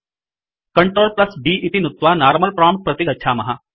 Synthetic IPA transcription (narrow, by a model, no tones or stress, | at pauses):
kɐɳʈɾoːlplɐsbiːʔɪt̪inut̪ʋaːnaːɾməlpɾaːmʈ̚pɾɐt̪iɡɐtːt͡ʃʰʃʰaːmɐɦa